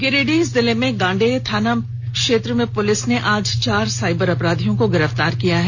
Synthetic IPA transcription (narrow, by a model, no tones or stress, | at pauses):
ɡeɾeːɖiɪs̬d̪ɪlemẽɡãːɳɖet̪ʰaːnəm | kʃeːt̪ɾəmẽpʊlɪsneʔaːd͡ʒt͡ʃaːɾsaːɪbəɾɐpɾaːd̪ʱijõkoɡɪɾəft̪aːɾkijaɦɛː